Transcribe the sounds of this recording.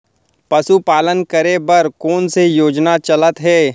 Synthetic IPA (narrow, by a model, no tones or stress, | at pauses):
pɐsupaːlənkəɾebɐɾkoːnsejoːd͡ʒnat͡ʃɐlət̪ɦɛː